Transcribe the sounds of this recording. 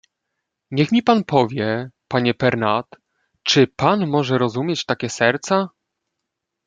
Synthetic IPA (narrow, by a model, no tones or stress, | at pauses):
ɲɛxmʲipanpɔvʲjɛpaɲɛpɛɾnat̪ | t͡ʂɘpanmɔʐɛɾɔzumʲjet͡ɕt̪akʲɛsɛɾt̪sa